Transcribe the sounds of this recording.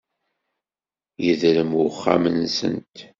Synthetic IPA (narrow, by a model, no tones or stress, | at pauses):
jəðləmwʊχːa̰mənsə̰nt̪